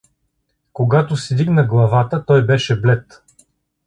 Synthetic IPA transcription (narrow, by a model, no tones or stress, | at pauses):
koɡat̪ʊsɛd̪iɡnəɡlˠɐvat̪ət̪ɔjbɛʃɛblɛt̪